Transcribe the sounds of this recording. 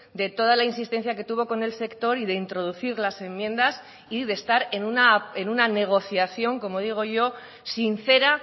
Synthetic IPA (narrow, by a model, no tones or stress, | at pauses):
d̪e̞t̪o̞ð̞alainsist̪e̞nθjake̞t̪uβ̞o̞ko̞ne̞lse̞kt̪o̞ɾiðe̞int̪ɾo̞ðuθiɾlase̞mːjẽ̞nd̪as | iðe̞st̪aɾe̞nunae̞nunane̞ɣ̞o̞θjaθjo̞ŋko̞mo̞ð̞iɣ̞o̞ʝo̞ | sin̟θe̞ɾa